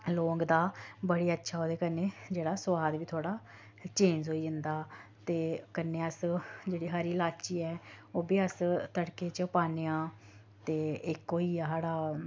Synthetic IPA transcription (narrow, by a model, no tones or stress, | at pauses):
loːŋɡd̪aːbəɽiːətːʃʰaːoːd̪eːkənːeːd͡ʒeːɽaːsʊʋaːd̪ʋiːt̪ʰoaːɽaː | t͡ʃẽːnd͡ʒɦoːiːd͡ʒənd̪aːt̪eːkənːeːəsd͡ʒeːɽiːɦaːɾiːlaːt͡ʃiːɛːoːbiːəst̪əɽkeːt͡ʃəpaːnejãː | t̪eːɪkoːiːaːɦaːɽaː